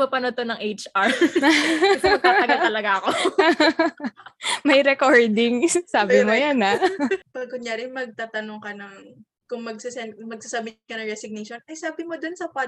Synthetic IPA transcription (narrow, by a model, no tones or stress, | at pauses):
mɐpɐnot̪onɐŋʔejt͡ʃɐɹ | sɐɐɡɐt̪ɐlɐɡaɐko | mɐjɾɛkoɹd̪ɪŋsaːbɪmojanapaːɡ̚kʊɲaɾɪŋmɐɡ̚t̪aːt̪ɐnoŋkɐnɐŋ | kʊŋmɐɡ̚sɐsɛnmɐɡ̚sasɐbɪkɐnɐŋɹɛsɪɡ̚niʃonʔɐjsaːbɪmod̪onsɐpa